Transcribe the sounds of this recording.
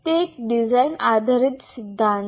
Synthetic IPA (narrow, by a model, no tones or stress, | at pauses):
t̪ekɖid͡zajnad̪ʱaɾit̪sid̪ʱːãn